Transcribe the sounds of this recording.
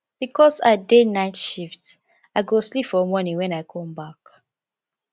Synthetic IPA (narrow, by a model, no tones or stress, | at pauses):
b̥ikʰɔsadenaɪtʃift | aɪɡoslipfɔmɔnĩŋwɛ̃naɪkʰɔ̃mbak